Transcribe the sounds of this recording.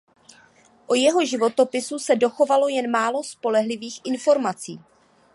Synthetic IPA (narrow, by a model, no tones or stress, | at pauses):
ʔojɛɦo̞ʒɪvo̞t̪o̞pɪsusɛdo̞xo̞valo̞jɛnmaːlo̞spo̞lɛɦlɪviːxʔɪnfo̞ɾmat͡siː